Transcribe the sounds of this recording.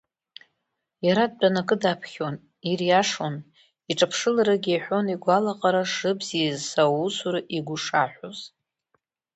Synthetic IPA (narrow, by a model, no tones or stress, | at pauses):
jaɾad̚danakʼɨdapʰχʲon | irjaʂon | iʈ͡ʂʼapʰʂɨlaɾaɡʲaħʷo̞niɡʷalaqʼaɾaʂɨbzizsawusuɾɨʔiɡʷuʂaħʷᶣoz